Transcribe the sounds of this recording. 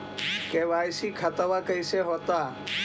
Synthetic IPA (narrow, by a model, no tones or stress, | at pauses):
keːʋaːjsiːkʰət̪əʋakəjseɦoːt̪aː